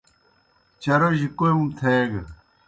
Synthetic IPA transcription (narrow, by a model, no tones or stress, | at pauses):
t͡ɕɐɾoʑikojumt̪ʰeɡ